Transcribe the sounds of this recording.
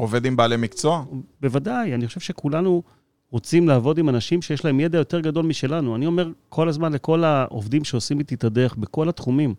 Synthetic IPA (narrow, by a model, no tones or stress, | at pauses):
ove̞d̪imbaːlemikt͡so̞abe̞vadajaniχoʃevʃe̞kulanu | ʁo̞t͡simlaːvo̞dimanaʃimʃejeʃlae̞mje̞d̪ajo̞t̪e̞ʁɡad̪o̞lmiʃe̞lanuanio̞me̞ʁkʰo̞lazmanle̞ko̞laʔo̰vd̪imʃeo̞simit̪it̪ad̪eχbeko̞lat̪χumim